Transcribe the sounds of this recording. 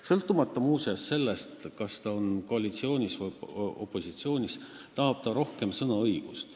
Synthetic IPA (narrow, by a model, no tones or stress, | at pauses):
sɤlt̪ːˑumɑt̪ːɑmuːseɑsːe̞lːest̪kɑst̪ɑonko̞ɑlit̪sio̞ːnʲisvujo̞̰pˑːo̞sit̪sio̞ːnʲis | t̪ɑɦɑb̥t̪ɑɾo̞hke̞msɤnɑɤjɡ̥ust̪